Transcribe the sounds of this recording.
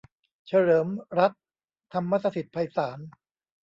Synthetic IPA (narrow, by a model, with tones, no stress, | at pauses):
t͡ɕʰa˧ɾɤː˩˦mɾa˦˥t̪̚ʰː | a˧mːa˦˥t̪sa˧t̪i˨˩t̪̚pʰa˧jsaː˩˦n